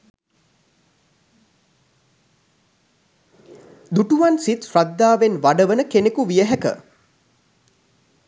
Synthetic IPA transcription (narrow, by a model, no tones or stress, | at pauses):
d̪uʈuʋansit̪frad̪ːaːʋenʋaɖəʋənəkenekuʋijəɦækə̰